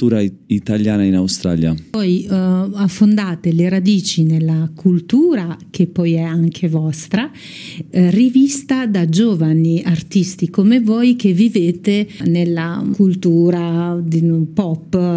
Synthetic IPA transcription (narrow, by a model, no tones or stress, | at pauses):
uːɾait̪aljaːnainawst̪ɾa̰lja̰pɔjafːond̪aːt̪eleɾad̪iːt͡ʃinelːakʰult̪uːɾak̟ʰepːɔjɛaŋkʰevɔst̪ɾa | rivist̪ad̪ad͡ʒoːvaniart̪ist̪ikomevojk̟evːiveːt̪enelːakult̪uːɾad̪ipɔpː